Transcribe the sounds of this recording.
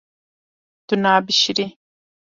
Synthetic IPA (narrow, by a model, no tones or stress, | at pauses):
d̪̥unaːbiʃiɾi